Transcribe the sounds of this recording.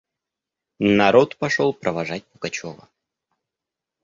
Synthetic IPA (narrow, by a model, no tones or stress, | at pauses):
nɐɾot̪pɐʂolˠpɾʔəvɐʐat̚ʲpʊɡɐt͡ɕovə̰